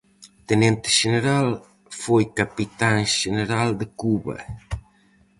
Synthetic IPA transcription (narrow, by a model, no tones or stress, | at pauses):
t̪enent̪e̥ʃeneɾal | fojkapit̪aŋʃeneɾald̪əkuβɐ̰